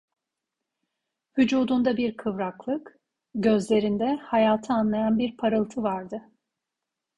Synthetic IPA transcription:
vyd͡ʒuːd̪und̪abiɾkʰɯvɾaklˠɯk | ɟø̞zlʲe̞ɾind̪ɛhajaːt̪ʰɯanlˠajanbiɾpʰaɾɯlˠt̪ʰɯvaɾd̪ɯ

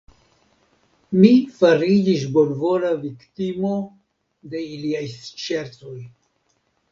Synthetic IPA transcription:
mifaɾid͡ʒis̬bo̞lvo̞laviktimo̞ | de̞iliajst͡ʃe̞ɾto̞j

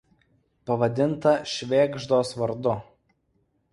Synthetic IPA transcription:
pɐʋɐd̪ʲɪnt̪ɐʃʲʋʲeːɡʒd̪oːsʋɐɾd̪ʊ

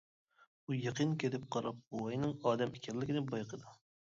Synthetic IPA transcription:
ujɑqʰənkʲet̪ɪp̚qʰɑɾɑp̚bowɑjnɨŋɑːd̪ɛmekʲʰɛlːɪkʲinɪbɑjqʰəd̪u

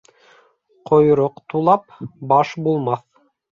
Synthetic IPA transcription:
qŏjɾoqt̪ulˠɑpbɑʃbulˠmɑθ

